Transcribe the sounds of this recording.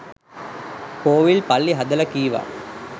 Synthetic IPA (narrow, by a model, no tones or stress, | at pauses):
koːʋilpɐlːiɦɐd̪ɐlɐkiːʋa̰ː